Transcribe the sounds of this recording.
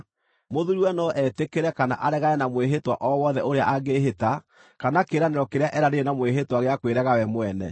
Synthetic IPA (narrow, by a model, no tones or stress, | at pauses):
moðuɾiwɛnɔʔɛtekeɾɛkana̰ʔaɾɛɣaɛnamweɦetwa̰ʔɔwɔðɛoɾeaʔaɣeɦeta | kanakeɾaneɾɔkeɾeaʔɛɾaɾeenamweɦetwaɣeakweɾɛɣawɛmwɛnɛ̰